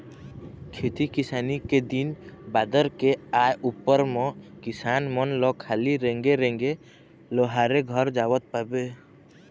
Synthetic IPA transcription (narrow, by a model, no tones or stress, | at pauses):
kʰet̪ikɪsaːniked̪inbaːd̪əɾkeaːjʔupːəɾmɔ̃kɪsaːnmənlɔkʰaːliɾẽŋɡeɾẽːŋɡe | lɔɦaːɾeɡʱəɾd͡ʒaːwət̪̚paːbe